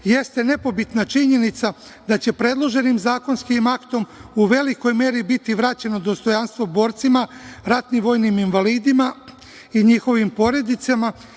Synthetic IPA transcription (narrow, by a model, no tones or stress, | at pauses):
je̞st̪e̞ne̞po̞bit̪nat͡ʃiɲe̞nit̪sa | d̪at͡ɕe̞pɾe̞ːd̪lˠo̞ʒe̞nimzaːko̞nskimakt̪o̞muʋe̞liko̞jme̞ɾibit̪iʋɾat͡ɕe̞no̞d̪o̞st̪o̞janst̪ʋo̞bo̞ːɾt̪simaɾat̪niʋo̞ːjniminʋaliːd̪ima | iɲixo̞ʋimpo̞ɾe̞d̪it̪sama